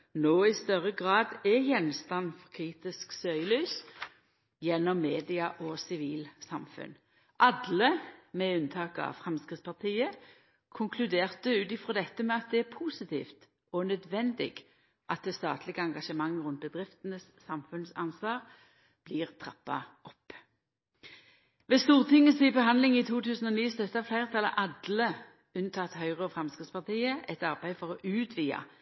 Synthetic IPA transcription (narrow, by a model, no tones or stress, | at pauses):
noːɪst̪œʁəɡʁɑːd̪ɛjɛnst̪ɑnfɔʁkʰʁiːt̪ɪsksœʏəlyːs | jɛnːɔmːeːd̪ɪɑʔɔsɪʋiːlsɑmfʉ̰n | ʔɑd̪ləmɛʉnt̪ʰɑːkɑ̰ʋfʁɛmskʁɪt̪spʰɑʁt̪ʰiːə | kʰʊŋkʰlʉd̪eːʁt̪əʉːt̪ɪfʁɔd̪ɛt̪ːəmɛɑt̪̚d̪ɛæpʰuːsɪt̪ʰḭːft̪ | ɔnœd̪ʋɛnd̪ɪ̰ɡ | ʔɑt̪̚d̪ɛːst̪ɑ̰ːt̪ʰlɪɡəɑŋɡɑʃəmɑŋːʁʉnt̪̚bəd̪ʁɪft̪ənəsːɑmfʉnsɑnsʋɑːʁ | b̥liːʁt̪ʰʁɑpːɑ̰ɔpː | ʋeːst̪uːʁt̪ʰɪŋːəsɪbəɦɑnd̪lɪŋɪt̪ʰuːt̪ʰʉːsn̩ɔniːst̪œt̪ːəɑflæɪʁt̪ʰɑlɑ̰ʔɑd̪lə | ʉnt̪ʰɑːt̪hœʏʁəɔfʁɛmskʁɪt̪spɑʁt̪iːəɛt̪ɑʁbæɪfɔʁɔʔʉːt̪ʰʋiːɑ̰